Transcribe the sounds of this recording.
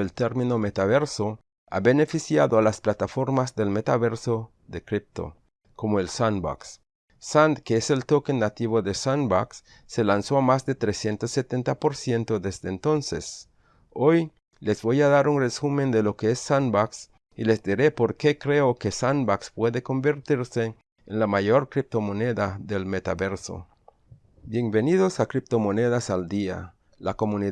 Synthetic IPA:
elt̪eɾmĩno̞me̞t̪aβe̞ɾso | a̰βe̞ne̞fisjaðoalasplat̪afo̞ɾmazðe̞lme̞t̪aβe̞ɾso | ðekɾip̚t̪o̰ | ko̞moelsanba̰ksː | and̪keese̞lt̪o̞kenat̪iβo̞ðesanbaks | se̞lansoamazd̪et̪ɾesje̞nt̪osːet̪e̞nt̪apo̞ɾsje̞nt̪oðezd̪eːnt̪o̞nsḛs | o̞j | le̞zβo̞jaðaɾunresumẽ̞nd̪e̞lo̞keesːanbaks | ilezd̪iɾe̞po̞ɾkekɾe̞oke̞sanbakspweðeko̞mbeɾt̪iɾse̞ː | nlamaʝo̞ɾkɾip̚t̪o̞mone̞ðaðe̞lme̞t̪aβe̞ɾso̰ | bje̞ŋbe̞nið̞osakɾip̚t̪o̞moneðasald̪ia̰ | lako̞muni

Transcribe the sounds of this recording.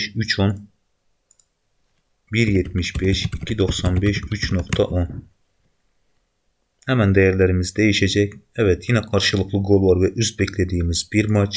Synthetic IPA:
ʃyt͡ʃʰon | biɾjet̪miʃbeʃicʲʰid̪oχsɑnbeʃyt͡ʃnoqt̪ʰɑʔon | hɛmɛnd̪ɛjæɾlæɾɪmizd̪ejiʃɛd͡ʒɛkʲɛvɛt̪ʰjinɛqʰɑɾʃɨlˠɯqlˠɯɡolˠvɑɾvɛʔyzbɛkʲlɛd̪ijimizbiɾmɑt͡ʃ

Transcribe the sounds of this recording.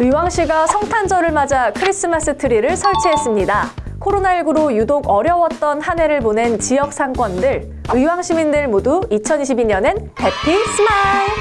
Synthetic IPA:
ɯwaŋɕʰiɡasʰʌŋtʰand͡ʑʌɾɯɭmad͡ʑakʰɯɾis͈ɯmas͈ɯtʰɯɾiɾɯɭsʰʌɭt͡ɕʰiɦe̞s͈ɯmɲida | kʰoɾonaiɭɡɯɾojudoɡʌɾjʌwʌt̚t͈ʌnhane̞ɾɯɭpone̞nt͡ɕijʌk̚s͈aŋk͈wʌndɯɭ | ɯiwaŋɕʰimindɯɭmoduit͡ɕʰʌniɕʰibiɲʌnenpe̞pʰisʰɯmaj

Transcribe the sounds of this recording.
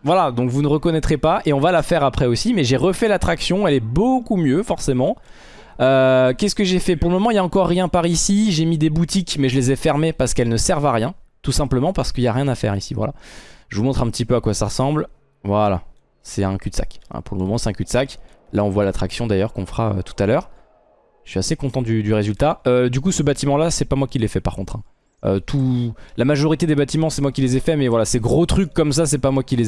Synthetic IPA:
vwalad̪ɔ̃kvunəʁəkɔnɛt̪χepaʔeɔ̃valafɛʁapχɛosimɛʒeʁəfɛlat̪χaksjɔ̃ɛlɛbokumjøfɔʁsemɑ̃ | økʲɛsə̥kəʒefɛpuʁləmɔmɑ̃iljaɑ̃kɔʁːjɛ̃paʁisiʒemid̪ebut̪ikmɛʒəlezɛfɛʁmepaʁsə̥kɛlnəsɛʁvaʁjɛ̃t̪usɛ̃pləmɑ̃paʁsə̥kəiljaʁjɛ̃nafɛ̰ʁisivwa̰la̰ʒəvumɔ̃t̪χɛ̃pət̪ipøakwasaʁəsɑ̃bl | vwala̰ | sɛt̪ɛ̃kʲyd̪sa̰kɛ̰̃puʁləmɔmɑ̃sɛt̪ɛ̃kʲyd̪sak | laɔ̃vwalat̪χaksjɔ̃d̪ajœʁkɔ̃fχaø̰t̪u̥t̪alœːʁ | sɥiasekɔ̃t̪ɑ̃d̪yd̪yʁezylt̪aød̪ykusəbat̪imɑ̃lasɛpamwakʲilːɛfɛpaʁ̥kɔ̃t̪χɛ̃ | ø̰t̪ʰulamaʒɔʁit̪ed̪ebat̪imɑ̃sɛmwakʲilezɛfɛmɛvwalaseɡʁot̪χykːɔms̬as̬ɛpamwakʲile

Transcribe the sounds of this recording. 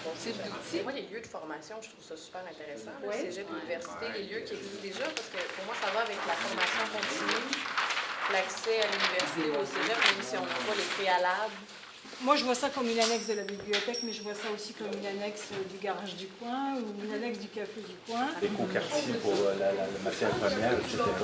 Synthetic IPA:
bɔ̃sed̪emwaleljød̪əfɔʁmasjɔ̃ʒə̥t̪χuv̥sasy̥pɛʁɛ̃t̪eʁesɑ̃wɛseʒɛd̪lynivɛʁsi̥t̪eleljøkʲiɛɡzist̪̚d̪eʒapaʁsə̥kəpuʁmwasavaːvɛklafɔʁmasjɔ̃kɔ̃t̪ʰiny | laksɛalynivɛʁsit̪euseʒɛʁmɛmsiɔ̃ɔvwalepχealabl | mwaʒəvwasakɔmynanɛks̬d̪əlabibliɔt̪ɛkmɛʒəvwasaosikɔmynanɛksd̪yɡaʁaʒd̪ykwɛ̃uynanɛksd̪ykafed̪ykwɛ̃d̪ekɔ̃kɛʁtsipuʁlalalamat̪jɛʁpmjɛʁseeʁa

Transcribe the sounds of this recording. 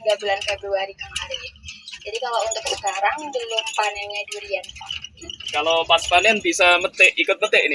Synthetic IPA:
ɡabulankabuaɾikəmaɾid͡ʒadikalount̪ʊksə̥kaɾaŋbəlʊmpanaɲaduɾian | kalopat̪̚panɛnbisamət̪ɛʔikʊt̪̚mət̪ɛʔinɪ

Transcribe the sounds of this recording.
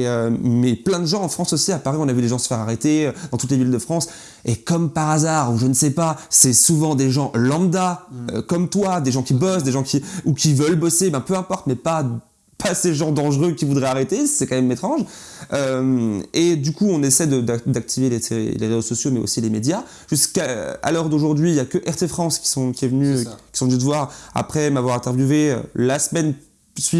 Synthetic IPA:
eømɛplɛ̃d̪əʒɑ̃ɑ̃fχɑ̃sosiapaʁiɔ̃navyd̪eʒɑ̃sə̥fɛʁaʁet̪eød̪ɑ̃t̪ut̪levild̪əfχɑ̃s | ekɔmpaʁazaʁuʒənsɛpasɛsuvɑ̃d̪eʒɑ̃ʔlɑ̃d̪aø̰kɔmt̪wad̪eʒɑ̃kʲibɔsd̪eʒɑ̃kʲiukʲivœlbɔsebɛ̃pøɛ̃pɔʁt̪mɛpa | paseʒɑ̃d̪ɑ̃ʒʁøkʲivud̪ʁɛaʁet̪esɛkɑ̃mɛmet̪χɑ̃ʒ | ømed̪ykuɔ̃nesɛd̪əd̪d̪ak̚t̪ʰiveleseḭleʁezosɔsjomɛo̰silemed̪ja | ʒ̥yskaa̰lɔʁd̪oʒuʁd̪ɥiljakəʔɛʁt̪efχɑ̃skʲi̥sɔ̃kʲiɛvənykʲisɔ̃vnyd̪əvwaʁa̰pχɛmavwaʁɛ̃t̪ɛʁvjuveø̰lasmɛn | sɥi

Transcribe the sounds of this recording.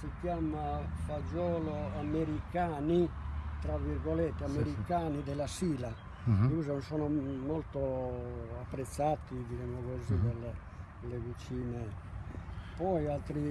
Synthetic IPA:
sikjaːmafad͡ʒɔːloameɾikaːnit̪ɾaviɾɡolɛt̪ːeameɾikaːnid̪ɛlasiːla | kuzansɔːnomolt̪o | apːɾet̪sːat̪ːid̪id͡ʒɛmːokozid̪ɛle | levit͡ʃiːne | pɔjalt̪ɾi

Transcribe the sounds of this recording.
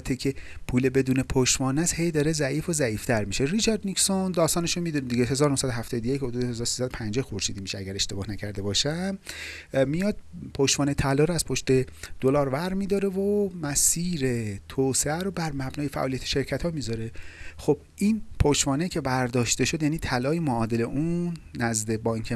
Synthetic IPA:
t̪ʰːecʰepʰuːlebe̞d̪uːne̞pʰoʃvɒːnæshejd̪ɒːɾezæʔiːfozæiːft̪ʰæɾmiʃerit͡ʃʰɒɾd̪niksond̪ɒːst̪ɒːneʃomid̪uned̪iɟeɦe̞zɒːɾonosæd̪oɦæft̪ɒːd̪ojechod̪ud̪ehezɒːɾosiːsæd̪opʰænd͡ʒexoɾʃiːd̪iːmiʃeæɟæɾe̞ʃt̪e̞bɒːhnæcʰæɾd̪e̞bɒːʃæmː | ijɒːd̪̥̚pʰoʃvɒːnet̪ʰælɒːɾæz̥pʰo̞ʃt̪e̞d̪̥olɒːɾvæɾmiːd̪ɒɾe̞vomæsiːɾe̞t̪ʰoːseæɾobæɾmæbnɒːjefæ̰ʔɒːlijæt̪ʰe̥ʃe̞ɾcʰæt̪ʰhɒːmizɒɾe̞xob̥ʔiːnpʰoʃvɒːnecʰe̞bæɾd̪ɒːʃt̪e̞ʃod̪jæːniːt̪ʰælɒːjemoɒːd̪eleʔunːæzd̪e̞bɒːiŋcʰe

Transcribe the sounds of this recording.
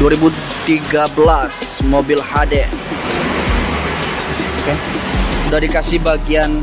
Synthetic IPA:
duaɾibu | t̪iɡabəlasmobɪlhadɛ | okeudadikasibaɡian

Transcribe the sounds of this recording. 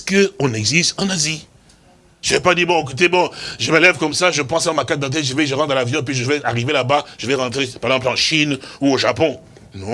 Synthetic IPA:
skəɔ̃nɛɡzist̪ɑ̃nazi | ʒ̥əvɛpad̪ibɔ̃ek̬ut̪̬ebɔ̃ʒəməlɛvkɔmsaʒəpɑ̃sɑ̃makat̪̚d̪ɑ̃t̪ɛʒəvɛʒəʁɑ̃t̪dɑ̃lavjɔ̃p̬ɥiʒəvɛaʁivelabaʒ̥əvɛʁɑ̃t̪χepaʁezɑ̃plɑ̃ʃinuoʒapɔ̃ | nɔ̃

